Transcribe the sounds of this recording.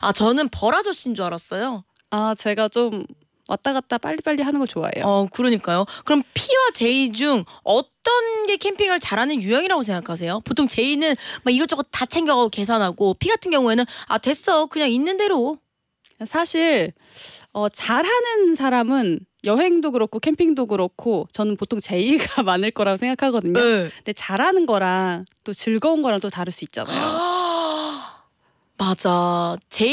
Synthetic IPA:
at͡ɕʌnɯnpʌɾad͡ʑʌɕ͈indoaɾas͈ʌjo | at͡ɕe̞ɡat͡ɕom | wʔa̰t͈̚aɡat̚t͈ap͈aʎːip͈aʎːiɦanɯnɡʌt͡ɕoa̰ḛjoʌkɯɾʌɲik͈ajokɯɾʌmpʰiwat͡ɕe̞id͡ʑuŋʌt͈ʌnɡe̞kʰe̞mpʰiŋɯɭt͡ɕaɾɦanɯnjujʌŋiɾaɡos̬ʰe̞ŋɡakʰas̬ʰe̞jopotʰoŋt͡ɕe̞inɯnmaiɡʌt͡ɕ͈ʌkotat͡ɕʰe̞ŋɡjʌɡaɡoke̞sʰanɦaɡopʰiɡatʰɯnɡjʌŋue̞nɯna̰twe̞s͈ʌkɯɲaŋinːɯnde̞ɾo | sʰaɕʰiɾ | ʌt͡ɕaɾɦanɯnsʰaɾamɯn | jʌɦe̞ŋdoɡɯɾʌkʰokʰe̞mpʰiŋdoɡɯɾʌkʰot͡ɕʌnɯnpotʰoŋt͡ɕe̞iɡamanɯɭk͈ʌɾaɡosʰe̞ŋɡakʰaɡʌdɯɲonde̞t͡ɕaɾɦanɯnɡʌɾaŋt͈ot͡ɕɯɭɡʌunɡʌɾaŋt͈otaɾɯɭs͈uit̚t͡ɕ͈a̰na̰jjo | mad͡ʑat͡ɕe

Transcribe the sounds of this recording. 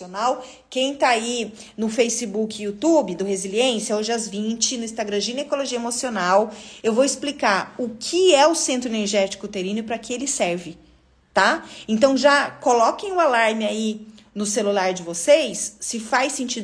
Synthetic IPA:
onaw | kẽj̃t̪aai | nʊfejsɪbukut̪ubɪd̪ʊheziliẽsjɐoʒɪazvĩt͡ʃɪnʊĩst̪aɡɾɐ̃ʒinekoloʒiɐemosionawewvowɪsplikaɾʊkʰɪɛʊsẽnt̪ɾʊeneɾʒɛt͡ʃi̥kʊt̪eɾĩnʊpɾɐkɪelɪsɛɾvɪ | t̪aẽnt̪ɐ̃w̃ʒakolɔkẽj̃ʊalaɾmɪai | nʊselulaɾd͡ʒɪvosejsːɪfajsẽnt͡ʃid̪

